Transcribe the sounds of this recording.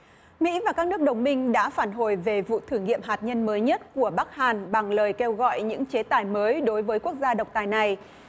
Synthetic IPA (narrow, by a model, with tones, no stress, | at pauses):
mḭ˧˥vaː˨˩kaː˦˥k̚nɨ˦˥ək̚ɗə˨˩wŋ͡mmï˧ŋ̟ɗa̰ː˧˥faː˧˩nɦo˨˩jve˨˩vṵ˧˨t̪ʰɨ˧˩ŋḭ˧˨əmɦaː˨˩t̚ɲə˧nməː˨˦jɲə˦˥t̚ku˧˩əɓa˦˥k̚haː˨˩nɓa˨˩ŋləː˨˩jke˧wɣɔ̰˧˨jɲɨ̰˧˥ŋt͡ɕe˨˦t̪aː˨˩jməː˨˦jɗo˨˦jvəː˨˦jku˦˥ək̚zaː˧ɗə˨˩wk͡p̚t̪aː˨˩jna˨˩j